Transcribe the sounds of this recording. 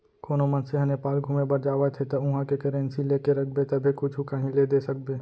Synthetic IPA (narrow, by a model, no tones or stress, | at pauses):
koːnomənseɦɐnepaːlɡʱuːmebɐɾd͡ʒaːʋat̪ʰet̪ɐʊɦãkekɪɾɛ̃ːnsileːkeɾɐk̚ʰbet̪ɐbʱekʊt͡ʃʰukɐɦĩleːd̪eːsɐk̚beː